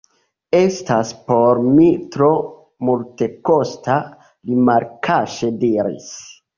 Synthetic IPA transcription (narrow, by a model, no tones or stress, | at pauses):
e̞staspo̞ɾmitɾo̞ | multe̞kosta | limalkʰaʃediɾḭs